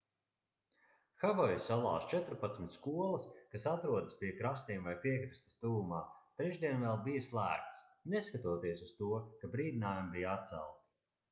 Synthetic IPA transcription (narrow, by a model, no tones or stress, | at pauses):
xavɔjusalˠa̰ːst͡ʃɛt̪ɾpat̪smʲit̪ʲskuɔlˠɐskasat̪ɾuɔd̪əspʲiɛkɾast̪iɛmvajpʲiɛkɾist̪ɐ̥st̪uːumaːt̪ɾɛʒd̪iɛnvɛlˠbijɐslˠæ̰ːk̚t̪snɛskat̪uɔt̪iɛsust̪uɔkabɾiːd̪inaːjambijat̪sɛ̰lˠt̪